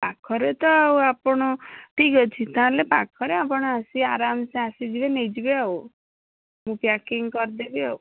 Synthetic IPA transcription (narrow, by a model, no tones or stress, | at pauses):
pakʰɔɾet̪ɔawapɔɽ̃ɔʈiɡɔt͡ʃʰit̪aãlepakʰɔɾeapɔɽ̃ɔasiaɾamsẽasid͡ʒibenejd͡ʒibeaw | mũpjakiŋkɔɾd̪ebiau